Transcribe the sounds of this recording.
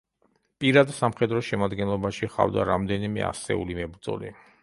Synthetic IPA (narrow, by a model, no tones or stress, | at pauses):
pʼiɾad̪samχɛd̪ɾɔʃɛmad̪ɡɛnlˠɔbaʃiχa̰vd̪aɾamd̪ɛnimɛ̰a̰sɛ̰ulimɛbɾd̪zɔ̰li